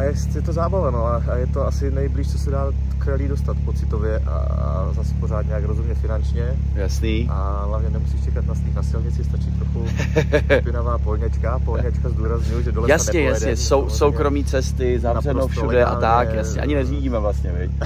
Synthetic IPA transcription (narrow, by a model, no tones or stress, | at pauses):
ajɛsjɛt̪ozaːbavanoa | ajɛt̪oasɪnɛjbliːʃt͡sosɛdaː | kɾɛliːdost̪at̪pot͡sɪt̪ovjɛʔa̰ | a̰ | zasɛ̥poɾaːt̪ɲɛjakɾozɦumɲɛfɪnant͡ʃɲɛ | jasniːʔa | ɦlavɲɛnɛmusiʃt͡ʃɛkat̪nast̪iːxnasɪlɲɪt͡sɪst̪at͡ʃɪt̪ɾoxu | pɪnavaːpolɲɛt͡ʃkapolɲɛt͡ʃkazduːɾazɲujuʒɛdolɛjasnɛɲɛjaɲɛsowsowkɾo̞miːt͡sɛst̪ɪzavrɛnowfʃudɛʔa̰t̪akjasɲɲɛ̰ʔa̰ɲɪnɛziːɟiːmɛvlast̪ɲɛvɪc